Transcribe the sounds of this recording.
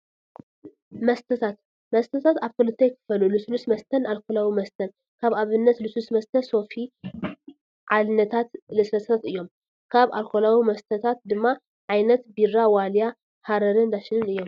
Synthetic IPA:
mɐst̪ʰɐt̪ʰat̪ | mɐst̪ʰɐt̪ʰat̪aβkolɨt̪ʰɐjkʰɨ̥fɐlulɨslusmɐst̪ʰɐnalkʰolawimɐst̪ʰɐn | kʰaβaβɨnːɐt̪lɨsusmɐst̪ʰɐso̞fi | ʕalnɐt̪ʰat̪lɨsɐsat̪ɨjːo̞m | kʰaβalkʰo̞lawimɐst̪ʰɐt̪ʰat̪̚d̪ɨmːa | ʕajnɐt̪biɾawalja | haɾɐɾɨnd̪aʃɪnɨnɨjːo̞m

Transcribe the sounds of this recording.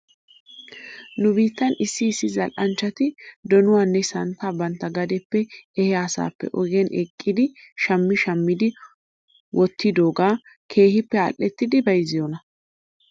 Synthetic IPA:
nʊbiːt̪ːɐnɪsːɪːsːɪzɐlʔɐnt͡ʃːɐt̪ɪd̪ɔnʊwaːnːɛsɐnt̪ːabɐnt̪ːɐɡɐd̪ɛpːɛɛhɛasa̰ːpːɛ̰ʔɔɡɛnɛkʼːɪd̪ɪʃɐmːɪʃɐmːɪd̪ɪ | wʔɔt̪ʰːɪd̪o̞ːɡaː | kʰe̞ːhɪpːɛɐ̰lʔɛt̪ːɪd̪ɪbɐjzɪjonɐ

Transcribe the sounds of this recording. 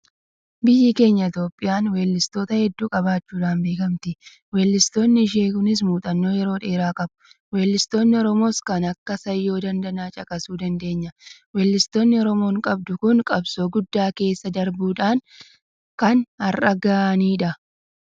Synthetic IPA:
bɪjːɪke̞ːɲːɐɪt̪jo̞ːpʼːɪjaːnweːlːɪst̪o̞ːt̪ɐhɛd̪ːuːkʼɐbaːt͡ʃːuːᶑaːnbe̞ːkɐmt̪ɪ | wɛːlːɪst̪o̞ːnːɪɪʃ̬eːkʊnɪs̬muːt̪ʼɐnːo̞ːjɛɾo̞ːᶑe̞ːɾaːkʼɐbʊ | we̞ːlːɪst̪o̞ːnːɪɔɾɔmo̞ːskɐnɐkːɐsɐjːo̞ːd̪ɐnd̪ɐnaːt͡ʃʼɐkʼɐsuːd̪ɐnd̪e̞ːɲːɐwɛːlːɪst̪o̞ːnːɪɔɾɔmo̞ːŋkʼɐb̚d̪ʊkʊŋkʼɐbsoːɡʊd̪ːaːke̞ːsːɐd̪ɐɾbuːᶑaːŋ | kɐnhɐrɐɡaʔɐniːᶑɐ

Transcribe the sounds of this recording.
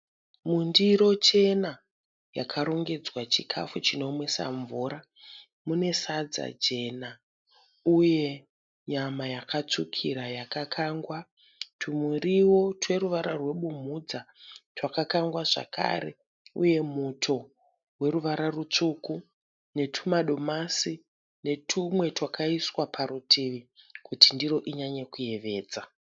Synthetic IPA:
mundiɾo̞t͡ʃe̞na | jakʰaɾo̞ŋɡe̞d͡zwat͡ʃikʰa̰fut͡ʃino̞mwesa̰ɱvuːɾa | mune̞sad͡za̰d͡ʒe̞na | uje̞ | ɲamajakat͡sukʰiɾajakakʰaŋɡwa | tʰumuriwo̞twe̞ɾuʋaɾarwe̞ɓum̤ud͡zatwakakaŋɡwaʐa̰kʰa̰ɾe̞̰ | ṵje̞mutʰo̞ | we̞ɾuʋaɾarut͡ʂuku | ne̞tʰumaɗo̞masi | ne̞tʰumwe̞twakaiswapʰaɾutʰiʋikutindiɾo̞ʔiɲaɲekuje̞ʋe̞ːd͡za

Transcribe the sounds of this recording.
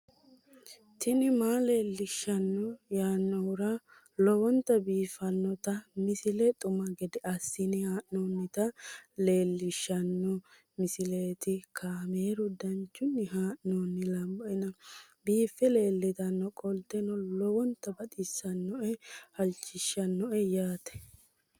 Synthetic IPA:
t̪ɪnɪmaːle̞ːlːɪʃɐnːɔjaːnːɔwʊɾɐ | lɔwɔnt̪ɐbiːfɐnːɔt̪ɐmɪsɪlɛt̪ʼʊmɐɡɛd̪ɪɐsːɪnɪhaːʔnoːnːɪt̪ɐle̞ːlːɪʃːɐnːɔ | mɪsɪleːt̪ɪkʰaːmeːɾʊd̪ɐnt͡ʃːʊnːɪɦaːʔnoːnːɪlɐmbɔʔɛnɐ | biːfːɛle̞ːlːɪt̪ɐnːɔkʼɔlt̪ɛnɔlɔwɔnt̪ːɐbɐɗɪsːɐnːɔʔɛhɐlt͡ʃːɪʃːɐnːɔʔɛjaːt̪ɛ̥

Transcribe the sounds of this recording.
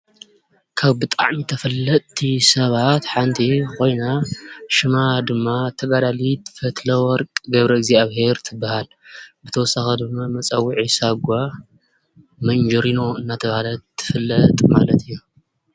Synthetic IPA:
kʰaβbɨt̪ʼa̰ʕmit̪ʰɐfɐlːɐt̪ʰːisɐβat̪ħant̪ʰikʰo̞jnaʃɨmad̪ɨmːat̪ʰɐɡad̪alit̪fɐt̪lɐwɔɾkʼɡɐβɾɐɪɡziaβhe̞ɾt̪ʰɨbːahal | bɨt̪ʰɐwɔsaxɐd̪ɨmːamɐt͡sʼɐwːiʕisaɡʷa | mɐnd͡ʒɐɾino̞ɨnːat̪ʰɐβhalɐt̪ʰːɨ̥fɨlːɐt̪ʼma̰lɐt̪ʰɨjːu

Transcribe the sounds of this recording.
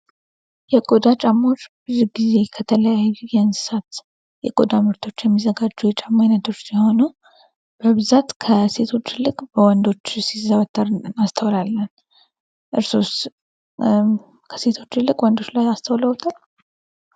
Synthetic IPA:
jɛkʼod̪at͡ʃʼamːo̞t͡ʃːbɨziɡize̞kʰət̪ʰələjajːujɛnsɨ̥sat̪ | jɛ̰kʼod̪amɨɾt̪ʰo̞t͡ʃːjɛmːizəɡad͡ʒːujɛt͡ʃʼamːajnəd̪əɾsiho̞nəw | b̥əβɨzat̪kʰəse̞t̪ʰo̞t͡ʃːɪlːɨkʼbəwɔnd̪o̞t͡ʃːsizəβət̪ʰʼːəɾast̪ʰəwlalːən | ʔɨɾsos | kʰə̥se̞t̪ʰo̞t͡ʃːɨlːɨkʼwɔnd̪o̞t͡ʃːlajast̪ʰəwləwt̪ʰal

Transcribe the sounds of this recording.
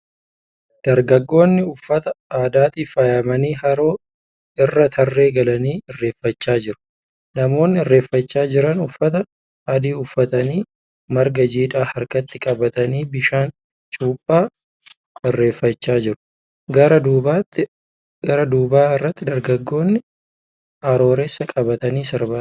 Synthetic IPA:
d̪̥ɐɾɡɐɡːo̞ːnːɪʊfːɐt̪ɐaːd̪aːt̪iːfɐjɐmɐniːɦɐɾo̞ː | ɪrːɐt̪ʰɐrːe̞ːɡɐlɐniːɪrːe̞ːfːɐt͡ʃːaːd͡ʒɪɾʊ̥ | nɐmo̞ːnːɪɪrːe̞ːfːɐt͡ʃːaːd͡ʒɪɾɐnʊfːɐt̪ɐ | ɐd̪iːʊfːɐt̪ɐniː | mɐɾɡɐd͡ʒiːᶑ̪aːhɐɾkɐt̪ːɪkʼɐbɐt̪ɐniːbɪʃaːn | t͡ʃʼuːpʼːaː | ɪrːe̞ːfːɐt͡ʃːaːd͡ʒɪɾʊ̥ | ɡɐɾɐd̪uːbaːt̪ːɪ | ɡɐɾɐd̪uːbaːɪrːɐt̪ːɪd̪ɐɾɡɐɡːo̞ːnːɪ | ʔɐɾo̞ːɾesːɐkʼɐbɐt̪ɐniːsɐɾbaː

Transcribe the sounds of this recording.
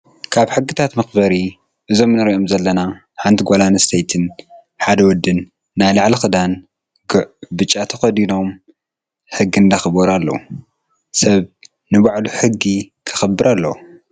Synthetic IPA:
kʰaβħɨɡːɨt̪ʰat̪mɐxbɐɾi | ʔɨzo̞mnɨɾiʔomzɐlːɐna | ħant̪ʰiɡʷolanɐst̪ʰejt̪ʰɨn | ħad̪ɐwɔd̪ːɨnː | ajlaʕlixɨd̪an | bɨt͡ʃʼːat̪ʰɐxɐd̪ino̞m | ħɨɡːind̪ɐxɨboɾalːɐ̰u | sɐβ | nɨβaʕluħɨɡːikʰɨ̥xɐbːɨɾalːɐ

